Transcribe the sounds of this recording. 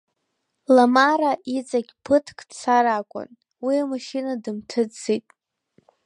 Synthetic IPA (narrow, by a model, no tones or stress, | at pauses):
lamaɾaʔit͡sʼaɡʲpʰɨtʰkʼsʰaɾakʷʼʊ̰n | wiamaʃinadɨmtʰɨitʼ